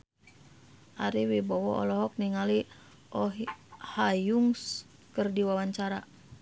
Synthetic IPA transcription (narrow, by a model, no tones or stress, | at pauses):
ʔaɾiwibɔwɔɔ̰lɔɦɔk̚niŋali | ʔɔɦhajuŋs | kərdiwawaɲt͡ʃaɾa